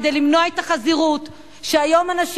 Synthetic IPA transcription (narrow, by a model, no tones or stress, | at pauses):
d̪elimnoaet̪aχaziʁut̪ | ʃeajo̞manaʃ